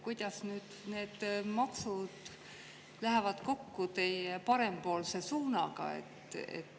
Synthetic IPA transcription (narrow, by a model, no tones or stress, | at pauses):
kujd̪̥ɑsnyːd̪̥ne̞ːd̪̥mɑksud̪̥ | læɦevɑd̪̥ko̞kːut̪e̞jepɑɾe̞mpo̞ːlse̞suːnɑɡ̥ɑ̰ḛt̪ːˑḛt̪ː